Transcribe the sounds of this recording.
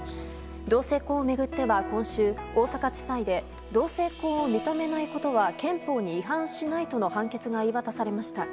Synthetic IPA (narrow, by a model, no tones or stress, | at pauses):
d̪o̞ːse̞ːko̞ːme̞ɡɯ̟t̪ːe̞bakõ̞ɰ̃ɕɨːo̞ːsakat͡ɕi̥said̪e̞ | d̪o̞ːse̞ːko̞ːomʲit̪ome̞naiko̞t̪o̞βakẽ̞mpo̞ːɲ̟iːɦãɰ̃ɕinait̪o̞no̞hãŋke̞t͡sɨɡaiβat̪asaɾe̞maɕi̥t̪a